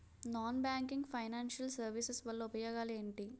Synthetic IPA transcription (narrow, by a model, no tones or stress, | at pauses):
naːnbaːŋkiŋɡpʰɐjnaːnʃɐlsɐɾʋisɐsʋɐɭːɐupɐjoːɡaːle̞ːɳʈi